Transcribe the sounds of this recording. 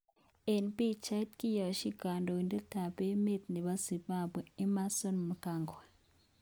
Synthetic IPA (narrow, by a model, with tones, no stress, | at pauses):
e˨npi˦t͡ʃa˦tki˦jo˨ʃi˦ɡa˨ndo˨nde˦ta˨βe˦me˦t̪ni˨βa˦zi˨ba˦bwe˨e˦ma˦so˦nmu˨ka˨ŋɡo˨e˨